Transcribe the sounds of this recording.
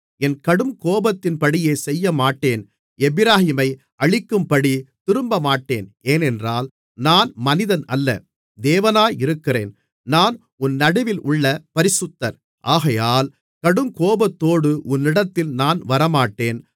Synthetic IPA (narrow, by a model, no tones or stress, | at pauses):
ɛnkɐɽɯmkoːbɐt̪ːɪnpɐɽɪjeːsɛjːɐmaːʈːeːn | ɛbɪɾaːhɪmɐɪ | ʔɐɭɪkːɯmpɐɽit̪ɪɾɯmbɐmaːʈːeːneːnɛndraːl | naːnmɐnɪðɐnɐlːɐ̰ | d̪eːʋɐnaːɪɾɯkːɪrḛːn | naːn | ʊnːɐɽɐʋɪlʔʊɭːɐpɐɾɪsɯt̪ːɐɾ | ʔaːɣɐjaːl | kɐɽɯmkoːbɐt̪ːoːɽɯʔʊnːɪɽɐt̪ːɪlnaːnʋɐɾɐmaːʈːeːn